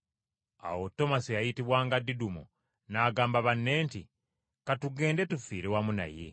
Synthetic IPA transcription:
a̰wo̞tːo̞masijajitiβwaːŋɡadidumo̰ | naːɡaːmbaβanːe̞ːnti | katuɡe̞ːnde̞tufiːɾewamuna̰je̞̰

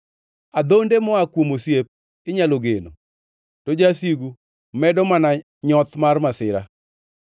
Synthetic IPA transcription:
ad̪ondemɔakwomosjep̚ | ɪɲaloɡeno̰ | tod͡ʒasiɡu | mɛdɔmana | ɲɔt̪marmasɪɾa̰

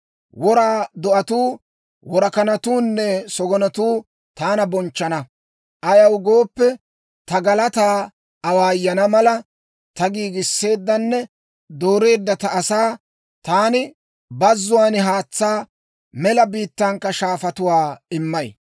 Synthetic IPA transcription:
wɔɾaːd̪ɔʔɐt̪uː | wɔɾɐkɐnɐt̪uːnːɛsɔɡɔnɐt̪uː | t̪aːnɐbɔnt͡ʃːɐnɐ | ʔɐjɐwɡo̞ːpːɛ | t̪ɐɡɐlɐt̪aː | ɐwaːjːɐnɐmɐlɐ | t̪ɐɡiːɡɪsːe̞ːd̪ːɐnːɛ | d̪oːɾe̞ːd̪ːɐt̪ɐːsaː | t̪aːnɪ | bɐzːʊwaːnɪɦaːt͡sːaː | mɛlɐbiːt̪ːɐŋkːɐʃaːfɐt̪ʊwaːɪmːɐj

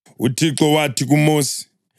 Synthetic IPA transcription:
utʰiǁɔwatʰik̬umuːsi̥

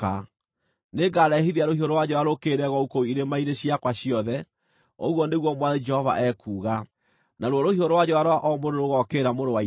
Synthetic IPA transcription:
a | neɡaɾɛɦiðiaɾohioɾowad͡ʑɔwaɾokeɾɛɣɔukoiɾemaiɾeɕiakwaɕjɔðɛ | o̰ɣwɔneɣwɔmwaðed͡ʒɛhɔva̰ʔɛkʰuːɣa | naɾwɔɾohioɾowad͡ʑɔaɾowaʔɔmoɾoɾoɣɔkeɾamoɾowa

